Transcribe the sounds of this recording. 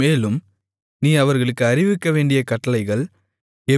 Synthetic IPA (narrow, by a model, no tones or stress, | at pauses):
eːlɯm | niːɐʋɐɾɣɐɭɯkːɯɐɾɪʋɪkːɐʋeːɳɖɪjɐkɐʈːɐlɐɪɣɐɭ | ɛ